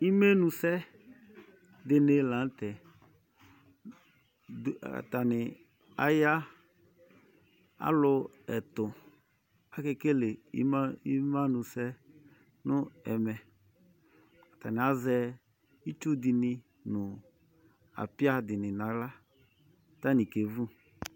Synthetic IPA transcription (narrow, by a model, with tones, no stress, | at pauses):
i˦me˦nũ˨sɛ˦ | d̪ɪ˨ne˨lã˨˦n˦t̪ɛ˨ | a̰˨t̪a˨nɪ˨ | a̰˦ja˦ | a̰˦lʊ˧ | ɛ˨tʊ˨ | a˨ke˨ke˦le˨˦m˦i˦mã˦nʊ˨sɛ˦ | nʊ˦ɛ˨mɛ˨ | a˨ta˨nɪ˨a˦zɛ˦ | i˦t͡ʃu˦dɪ˨nɪ˧ | nʊ˨ | a̰˨pɪ˦a˦dɪ˨nɪ̃˨na˨la˦˨ | ta˦nĩ˨ke˨vu˦